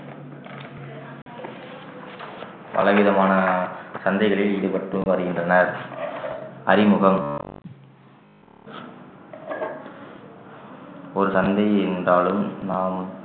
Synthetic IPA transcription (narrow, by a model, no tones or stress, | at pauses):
ʋɐ̰lɐʋɪðɐmaːnɐsɐnd̪ɐɪɣɐɭɪlɪðɯpɐʈrɯʋɐɾɯɣɪndrɐnɐɾ | ɐ̰ɾɪmʊɣɐm | ɔɾɯsɐnd̪ɐɪɛndraːlɯmnaːm